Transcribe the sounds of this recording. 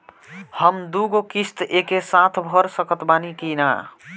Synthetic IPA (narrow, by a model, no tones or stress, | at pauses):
həmd̪uɡokist̪ekesat̪ʰbʱəɾsəkət̪banikina̰